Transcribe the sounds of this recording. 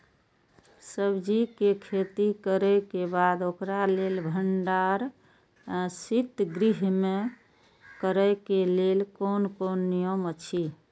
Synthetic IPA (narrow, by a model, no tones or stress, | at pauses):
səbd͡ʒikekʰet̪ikəɾɛkebad̪okɾalelbʱəɳɖaɾ | sit̪ɡɾiɦme | kəɾəkelelkonkonːijəmət͡ʃʰi